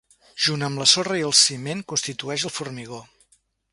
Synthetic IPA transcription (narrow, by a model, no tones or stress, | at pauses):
ʒ̥unəmləsorəiəlˠsimeŋkunst̪it̪uɛʃəlˠfurmiɣ̞o